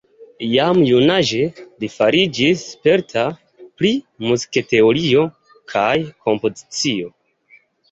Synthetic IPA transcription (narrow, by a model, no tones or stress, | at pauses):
jamjunaʒe̞lifaɾid͡ʒisːpe̞ɾtʰa | pɾi | muzikete̞oɾio̞ | kʰajkʰo̞mpo̞zit͡sio̞